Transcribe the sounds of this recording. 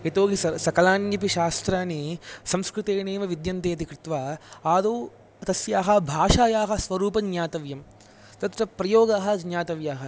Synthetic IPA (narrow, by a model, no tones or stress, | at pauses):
et̪oːɡisɐsɐkɐlaːnjɐpiʃaːst̪ɾaːnisɐmskɾut̪eːneːʋɐʋid̪jɐnt̪eːt̪ikɾɪt̪ʋaːaːd̪oː | t̪ɐsjaːɦɐ̆bʱaːʃaːjaːɦɐsʋɐɾuːpɐnjaːt̪ɐʋjɐm | t̪ɐt̪ɾɐpɾɐjoːɡaːɦɐ̆d͡ʒnjaːt̪ɐʋjaːɦɐ